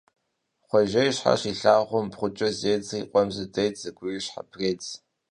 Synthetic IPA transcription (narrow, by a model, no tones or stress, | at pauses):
χʷɔʒɐjɕħa̰ɕiːɬaːʁʷɔmpχʷʊt͡ʃʼɐzeːd͡ziːqʷʼɔmzɨdɐjtʰz̥ɨɡʷʊiɕħa̰pʰreːt͡s